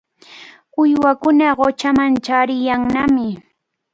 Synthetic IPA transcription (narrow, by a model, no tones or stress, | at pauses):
ʊjwakʊnaɢot͡ʃamant͡ʃaɾɪjaŋnamɪ